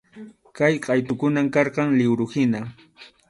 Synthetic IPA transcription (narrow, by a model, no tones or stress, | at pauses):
kajqʼɑjt̪ʊkʊnamkɑɾqɑŋlɪwɾʊhɪna